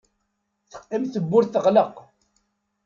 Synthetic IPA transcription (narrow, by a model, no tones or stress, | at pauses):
θə̥qːimθəbːʊɾθəʁləq